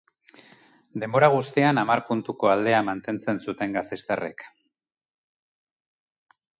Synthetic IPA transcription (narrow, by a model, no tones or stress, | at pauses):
d̪e̞mbo̞ɾaɣ̞ust̪ianamaɾpunt̪uko̞ald̪e̞amant̪e̞nt͡se̞nsut̪e̞ŋɡast̪e̞st̪are̞̰k